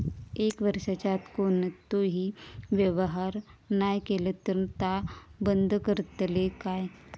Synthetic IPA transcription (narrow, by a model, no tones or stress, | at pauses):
eːkʋəɾʃat͡ʃaːt̪konət̪oɦiʋjəʋəɦaːɾnaːjkelət̪əɾnt̪abənd̪kəɾt̪əlekaːe